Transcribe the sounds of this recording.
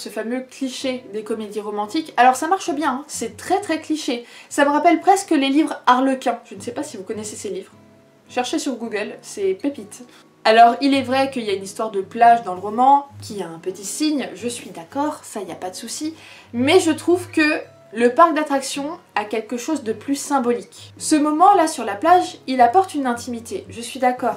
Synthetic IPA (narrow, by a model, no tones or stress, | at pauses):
səfamøkliʃed̪ekɔmed̪iʁɔmɑ̃t̪ikalɔʁsamaʁʃəbjɛ̃ɛ̃sɛt̪χɛt̪χɛkliʃesavəʁapɛlpχɛskəlelivʁaʁləkʲɛ̃ʒ̥ənəsɛpasivukɔneseselivʁ | ʃɛʁʃesyʁɡuɡœlsɛpepit̪ | alɔʁilɛvʁɛkəiljaynist̪waʁd̪əplaʒd̪ɑ̃ləʁɔmɑ̃kʲʰiaɛ̃pət̪isiɲʒəsɥid̪akɔːʁsailjapad̪əsusi | mɛʒət̪χuvkə | ləpaʁk̚d̪at̪χaksjɔ̃ | akʲɛlkəʃozd̪əplysɛ̃bɔlikʲsəmɔmɑ̃lasyʁlaplaʒilapɔʁt̪ynɛ̃t̪imit̪eʒəsɥid̪akɔːʁ